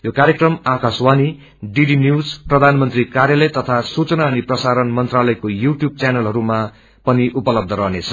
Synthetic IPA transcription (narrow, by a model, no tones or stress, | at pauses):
jokaɾjekrʌmakaswani | ɖiɖinjud͡zprʌd̪ʱanmʌnt̪rikaɾjalʌjt̪ʌt̪ʰasut͡sʌnaʌniprʌsaɾʌnmʌnt̪ralʌjkojuʈjub̚t͡sjanʌlɦʌɾuma | pʌniʔupʌlʌb̚d̪ʱʌɾʌɦnet͡sʰʌ̥